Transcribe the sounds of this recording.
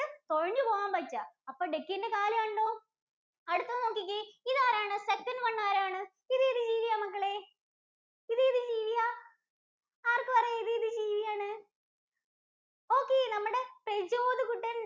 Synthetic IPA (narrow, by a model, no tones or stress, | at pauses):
ɨt̪oɻɐɲːɨpoːɣaːmpɐt͡ɕːaɐpːoːɖekːinde̞kaːlɐɐɳɖoː | ɐɽut̪ːɐʋnoːkːik̬ʲːiiðaːɾaːɳɨsekːɐnɖʋɐɳːaːɾaːɳɨ | iðɨiðɨd͡ʑiːʋijaːmɐkːɐɭeː | iðɨiðɨd͡ʑiːʋijaː | aːrkːɨpɐrɐjɐiðɨiðɨd͡ʑiːʋijaːɳɨ | o̞ːkːeːnɐmːuɽe̞prɐd͡ʑo̞ːðɨkuʈːɐn